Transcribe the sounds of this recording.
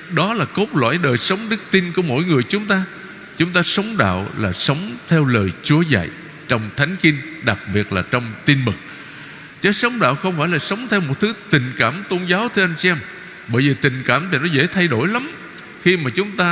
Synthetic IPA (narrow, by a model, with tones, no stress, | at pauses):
ɗɔ˨˦laː˨˩ko˦˥t̚lwa̰ː˧˨jɗəː˨˩jsə˨˦wŋ͡mɗɨ˦˥k̚t̪i˧nku˧˩əmo̰˧˥jŋɨ˨˩əjt͡ɕʊ˨˦ŋ͡mt̪aː˧ | t͡ɕʊ˨˦ŋ͡mt̪aː˧sə˨˦wŋ͡mɗa̰ː˧˨wlaː˨˩sə˨˦wŋ͡mt̪ʰɛ˧wləː˨˩jt͡ɕu˨˦əza̰˧˨j | t͡ɕɔ˧wŋ͡mt̪ʰa˨˦jŋ̟ki˧nɗa˨˩k̚ɓi˨˩ət̚laː˨˩t͡ɕɔ˧wŋ͡mt̪i˧nmɨ˨˩k̚ | t͡ɕə˨˦sə˨˦wŋ͡mɗa̰ː˧˨wxə˧wŋ͡mfaː˧˩jlaː˨˩sə˨˦wŋ͡mt̪ʰɛ˧wmo˨˩t̚t̪ʰɨ˨˦t̪ï˨˩ŋ̟kaː˧˩mt̪o˧nzaː˨˦wt̪ʰɨ˧ʔa˧jŋ̟t͡ɕi˧ʔɛ˧m | ɓəː˧˩jvi˨˩t̪ï˨˩ŋ̟kaː˧˩mt̪ʰi˨˩nɔ˨˦zḛ˧˥t̪ʰa˧jɗo˧˩jla˨˦m | xi˧maː˨˩t͡ɕʊ˨˦ŋ͡mt̪aː˧